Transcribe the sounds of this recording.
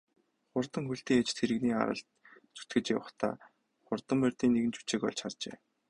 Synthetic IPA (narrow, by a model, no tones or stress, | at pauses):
χʊrt̪ə̆ŋxuɬt̪iːŋet͡ɕt̪ʰeɾɘ̆ɣniːa̰ɾə̰̆ɬt̪t͡su̥t̪ɡɘ̆t͡ɕa̰wə̆χt̪ʰa̰ː | χʊrt̪ə̆mperʲt̪iːneɣɘ̆nt͡ɕʰu̥t͡ɕeːkɔ̰ɮt͡ɕʰart͡ɕḛː